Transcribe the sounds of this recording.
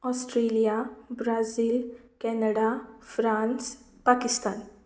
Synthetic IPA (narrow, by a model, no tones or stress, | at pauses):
ɔsʈɾelijabɾaziːlkɛnəɽafɾãns | pakist̪an